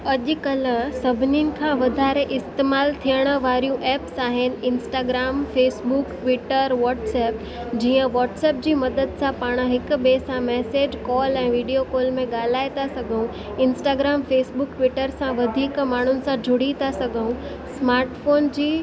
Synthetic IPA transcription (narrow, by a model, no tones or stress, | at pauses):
ɐʄʊ̆kɐlsɐbʱɪninɪ̆kʰãʋɐd̪ʱaːɾeʔɪst̪eːmaːlt̪ʰijəɽ̃ə̆ʋaːɾijũʔɛːpsaːɦɪnɪ̆ɪnsʈaːɡɾaːmfeːsbʊkʈʋɪːʈəɾʋɔːʈsɛːp | d͡ʑiːə̃ʋɔːʈsɛːp̚d͡ʑiːmɐd̪əd̪sãpaːɽ̃ə̆ɦɪkʊ̆beːsãmɛːseːd͡ʑkɔːlɛ̃ːʋiːɖijokoːlmẽɠaːl̤aːet̪asɐɡʱəũ | ɪ̃nsʈaːɡɾaːmfeːsbʊkʈʋɪʈəɾsãʋɐd̪ʱiːkmaːɳ̤ʊnɪ̆sãd͡ʑʱʊɽit̪asɐɡʱəũ | smaːɾʈfoːnd͡ʑiː